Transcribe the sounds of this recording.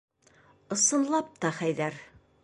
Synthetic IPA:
ŏsɤ̆nlˠɑp̚t̪ɒχæjðæɾ

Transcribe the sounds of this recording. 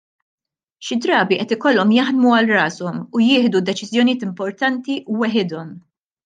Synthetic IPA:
ʃɪd̪ɾɐːbiʔɛt̪ɪkɔlːɔmjɐħd̪muɐlrɐːsɔmujɪːħd̪ud̪ɛt͡ʃɪzjɔnijɪːt̪ɪmpɔɾt̪ɐnt̪iʔuwɛħɪd̪ɔm

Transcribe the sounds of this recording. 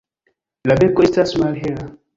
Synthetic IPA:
labɛkɔistasmalɦɛɾa

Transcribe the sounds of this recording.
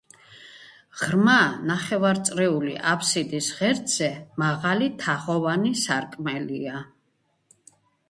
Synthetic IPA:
ʁɾmanaχɛvaɾt̪sʼɾɛulḭʔapʰsid̪isʁɛɾd̪z̥ɛmaʁalit̪ʰaʁɔvanisaɾkʼmɛlia

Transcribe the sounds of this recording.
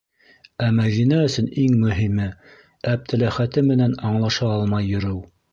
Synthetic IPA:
æmæðinæɵ̆sɵniŋmɵ̆ɦimɘ | æb̚t̪ʰɘ̆læχæt̪ɘmɘ̆nænɑɴlˠɑʃɑɑlˠmɑjːɵ̆ɾɘw

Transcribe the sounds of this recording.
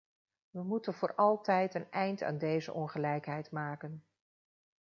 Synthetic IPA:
ʋəmutənvʊːɹɑlˠtɛjtənɛjnta̰ːndejzə̰ʔɔnχəlɛjkɦɛjtmaːkən

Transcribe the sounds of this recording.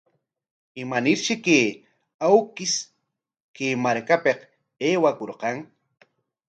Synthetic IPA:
ɪmanɪɾʃɪkeː | awkɪs | keːmaɾkapeq | eːwakoɾqɑŋ

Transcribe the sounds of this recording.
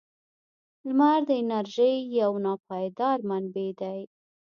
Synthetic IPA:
lmaɾd̪əɪnaɾʒəjːawnɑpɑjd̪ɑɾmanbed̪aj

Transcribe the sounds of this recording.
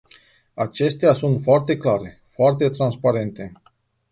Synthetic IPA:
at͡ʃe̞st̪easunt̪foart̪e̞klaɾe̞ | foart̪e̞t̪ɾanspaɾe̞nt̪e̞

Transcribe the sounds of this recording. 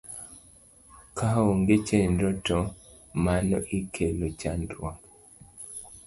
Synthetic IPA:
kʰaoŋɡet͡ʃendɔtɔ | manɔʔikʰelot͡ʃandɾwa

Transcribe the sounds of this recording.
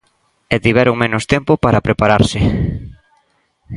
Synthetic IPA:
ɛt̪iβ̞ɛɾoŋmenʊst̪ɛmpopaɾapɾepaɾaɾsɪ

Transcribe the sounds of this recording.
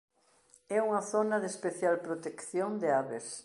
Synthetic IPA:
ɛuŋɐθonɐðespeθjalpɾot̪ekθjond̪eaβes

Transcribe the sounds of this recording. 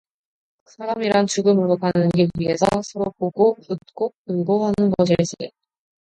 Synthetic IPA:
sʰaɾamiɾant͡ɕuɡɯmuɾʌkʰanɯnɡiɥiesʰʌsʰʌɾopoɡout̚k͈opuɭɡoɦanɯnɡʌɕʰieɕ͈i

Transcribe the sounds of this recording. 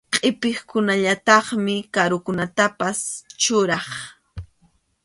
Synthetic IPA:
qʼɪpɪχkʊnaʎat̪ɑχmɪkaɾʊkʊnat̪apast͡ʃʊɾɑχ

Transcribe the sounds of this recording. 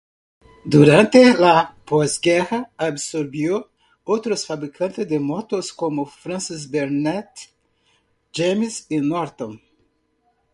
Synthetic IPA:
d̪uɾɐ̃nt̪elapɔzɡɛhɐabsoɾbiw | owt̪ɾʊsfabɾikʰɐ̃nt̪ɪzd̪emɔt̪oskõmʊfɾɐ̃sizbeɾnɛt̪ | d͡ʒemizinɔɾt̪õ

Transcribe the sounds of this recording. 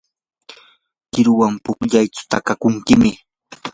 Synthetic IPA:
kɪɾʊwampʊkʎajt͡sʊ̥t̪akakʊŋkɪmɪ

